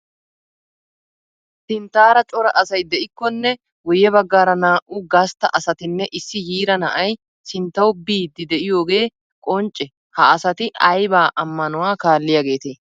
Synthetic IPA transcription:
sɪnt̪aːɾɐt͡ʃʼɔɾɐʔɐsɐjd̪ɛʔɪkːɔnːɛ | wɔjɛbɐɡːaːɾɐnaːʔʊɡɐst̪ːɐ̰ʔɐsɐt̪ɪnːɛʔɪsːɪhiːɾɐnɐʔɐj | sɪnt̪ːɐwbiːd̪ɪd̪ɛʔɪjo̞ːɡe̞ː | kʼɔnt͡ʃʼːɛ | hɐːsɐt̪ɪɐjbaːʔɐmːɐnʊwaːkaːlːɪjaːɡe̞ːt̪eː

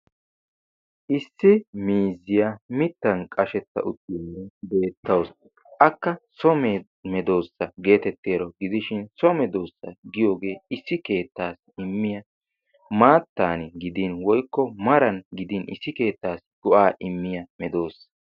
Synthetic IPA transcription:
ʔɪsːɪmiːzːɪjamɪt̪ːɐnkʼɐʃɛt̪ːɐ̰ʔʊt̪ːɪjoːebe̞ːt̪ːɐws | ʔɐkːɐsɔme | mɛd̪o̞ːsːɐɡe̞ːt̪ɛt̪ːeːɾɔɡɪd̪ɪʃɪnsɔmɛd̪o̞ːsːɐ̰ɡɪjo̞ːɡe̞ːɪsːɪke̞ːt̪ːaːs | ɪmːɪjɐ | maːt̪ːaːnɪɡɪd̪inwɔjkːɔmɐɾɐnɡɪd̪ɪnʔɪ̰sːɪke̞ːt̪ːaːsɡ̥ɔʔaːʔɪmːɪjɐmɛd̪o̞ːs

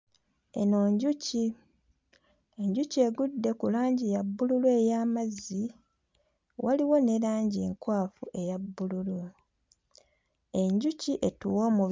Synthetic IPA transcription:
e̞̰no̞ːɲɟuci | e̞ɲɟuce̞ɡudːe̞kulaːɲɟijabːululwejaːmazːi | wʔaliwo̞ne̞ɾaːɲɟeŋkwaːfuʔe̞jabːululu | e̞ɲɟuciʔe̞tuwo̞ːmu

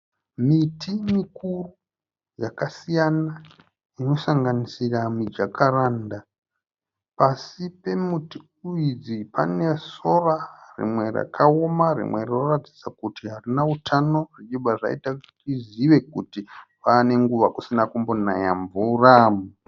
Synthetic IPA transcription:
mitʰimikuru | jakasijana | ino̞saŋɡanisiramid͡ʒakʰaɾaːnda | pasipe̞muti | uid͡zipʰa̰ne̞so̞rarḭmwe̞ra̰kʰao̞marḭmwe̞rinorad͡zi̥sakutiɦarinautʰano̞rit͡ʃibaʐa̰ḭtatiziʋe̞k̚utipane̞ŋɡuʋakusinakumbo̞na̰ja̰ɱvuramu

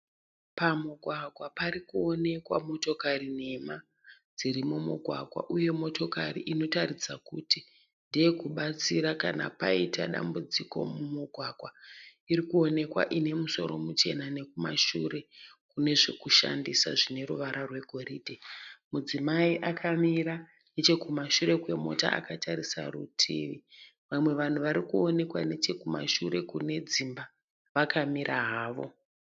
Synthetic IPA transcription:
pamuɡʱwaɡʱwapaɾikuo̞ne̞kwa̰mo̞to̞karine̞ma | d͡ziɾimumṵɡʱwa̰ɡʱwa̰ʔuje̞mo̞to̞kariʔino̞taɾid͡zakuti | ndeekuɓat͡siɾakana̰pa̰itaɗa̰mbud͡ziko̞̰mumuɡʱwaɡʱwaiɾikuo̞ne̞kwa̰ʔine̞muso̞̰ɾo̞mut͡ʃe̞nane̞kuma̰ʃuɾe̞kune̞ʐe̞kuʃa̰ndisa̰ʐine̞ɾuʋaɾarwe̞ɡʱo̞ɾiːdʱemud͡zimaiʔakʰamiɾa | ne̞t͡ʃe̞kumaʃuɾe̞kwe̞mo̞̰ta̰a̰kataɾisa̰rutʰḭːʋi | ʋamwe̞ʋan̤uʋaɾikuo̞ne̞kwane̞t͡ʃe̞kuma̰ʃuɾe̞kune̞d͡zimba | ʋakʰamiɾʔaɦaːʋo̞̰

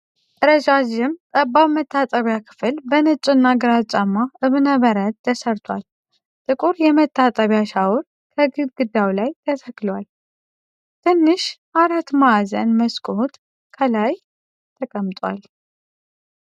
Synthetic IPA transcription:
ʔʼɨɾəd͡ʒaʒɪmt̪ʼəbaβmət̪ʰːat̪ʼəβjakʰɨ̥fɨlbənɨt͡ʃʼɪnːaɡɨɾat͡ʃʼamːaɨβnəβəɾət̪̚t̪ʰːəsəɾt̪ʰwal | t̪ʼɨkʼuɾjɛmət̪ʰːat̪ʼəβjaʃawɾ | kʰəɡɨβɡɨd̪awlajt̪ʰət̪ʰəkːlwal | t̪ʰɨnːɨʃ | aɾat̪maazə̰nməskʼot̪ʼ | kʰəlaj | t̪ʰəkʼəmt̪ʼwa̰l

